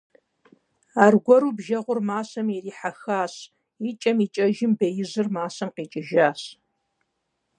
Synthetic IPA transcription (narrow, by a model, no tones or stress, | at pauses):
aːrɡʷɔɾuːbʒɐʁʷʊrmaːsɐmjɛriːħaxaːɕ | it͡ʃʼɐmiːt͡ʃʼɐʒɪmbejɪzɨrmaːsɐmqiːt͡ʃʼɪʒaːɕ